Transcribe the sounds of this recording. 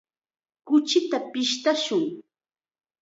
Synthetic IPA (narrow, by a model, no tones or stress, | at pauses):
kʊt͡ʃɪt̪apɪʃt̪aʃʊŋ